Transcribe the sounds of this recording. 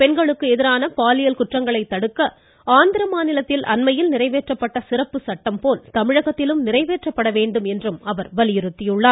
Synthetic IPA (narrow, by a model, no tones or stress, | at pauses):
pɛnɡɐɭɯkːɯɛðɪɾaːnɐpaːlɪjɐlkʊʈrɐŋɡɐɭɐɪt̪ːɐɽɯkːɐ | aːnd̪ɪɾɐmaːnɪlɐt̪ːɪlʔɐnmɐjɪlnɪrɐɪʋeːʈrɐpːɐʈːɐsɪrɐpːɯsɐʈːɐmpoːlt̪ɐmɪɻɐɣɐt̪ːɪlɯmnɪrɐɪʋeːʈrɐpːɐɽɐʋeːɳɖɯmɛndrɯmɐʋɐɾʋɐlɪjɪɾɯt̪ːɪjɯɭːaːɾ